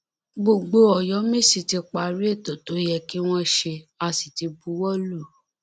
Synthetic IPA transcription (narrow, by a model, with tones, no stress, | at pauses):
ɡ͡bo˨ɡ͡bo˧ɔ˨jɔ˨˦mĩ˦˨si˨ti˧k͡pa˧˨ɾi˦e˦˨to˨to˨˦jɛ˧ki˦w̃ɔ̃˦ʃe˧a˧si˨ti˧bu˨˦wɔ˦lu˦˨